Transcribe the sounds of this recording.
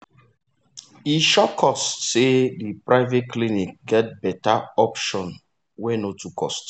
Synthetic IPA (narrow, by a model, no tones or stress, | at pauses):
iʃɔkʰɔstsedipɹaɪvet̚klinik̚ɡɛt̚bɛtaɔpʃɔ̃n | wɛ̃notʰukʰɔ̰st